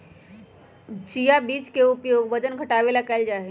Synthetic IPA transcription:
t͡ʃijabit͡ʃkeupjoɡbəd͡ʒənkəʈaʋelakaɪld͡ʒaɦɛ

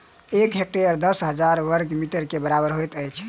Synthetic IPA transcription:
ekɦek̚ʈejəɾd̪əsɦəd͡ʒaɾʋəɾɡmiʈəɾkebəɾabəɾɦojt̪əjt͡ʃʰ

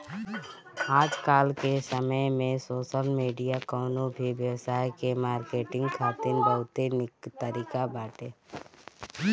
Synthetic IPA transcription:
aːd͡ʒkaːlkesəməjmẽsoːʃəlmiːɖijakɔːnõbʱiʋjəwsaːjkemaːɾkeːʈɪ̃ŋɡkʰaːt̪ɪnbəɦʊt̪enɪkt̪əɾiːkabaːʈeː

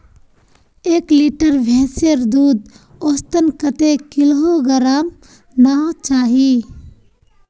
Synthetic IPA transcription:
eːkliʈəɾbʱɛ̃ːsəɾd̪uːd̪ | oːst̪ənkət̪ekɪlɦoɡəɾaːm | naɦot͡ʃaːɦi

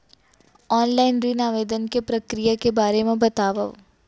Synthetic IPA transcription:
ɔːnlaːɪnɾinaːʋeːd̪ənkepɾɐkɾijakebaːɾemẽbɐt̪aːʋəʋ

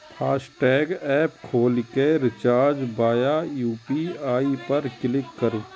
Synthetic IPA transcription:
pʰaːsʈɛːɡɛːpkʰoːlkeɾɪt͡ʃaːɾd͡ʒbaːjajuːpiaːipɐɾkɪlɪkːɐɾu

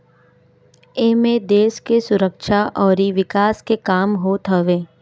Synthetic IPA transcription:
emẽd̪eːskesʊɾəkʃaʔɔːɾiʋɪkaːskekaːmɦot̪ʰəʋeː

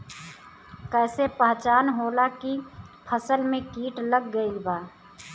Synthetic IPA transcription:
kɛːsepəɦt͡ʃaːnɦoːlakipʰəsəlmẽkiːʈləɡːəilbaː

